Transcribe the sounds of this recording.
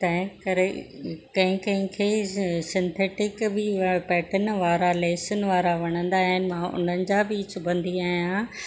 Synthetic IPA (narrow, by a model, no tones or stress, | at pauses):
t̪ɐ̃ɦɪ̃kɐɾekɐ̃ɦɪ̃kɐ̃ɦɪ̃kʰeːsɪ̃nt̪ʰeːʈɪkbɪpɛːʈənʋaːɾaleːsənɪ̆ʋaːɾaʋɐɽ̃ə̃nd̪aːɦɪnɪ̆mãːʔʊ̰n̤ənɪ̆d͡ʑabiːt͡ɕʊbʱə̃nd̪iaːɦjã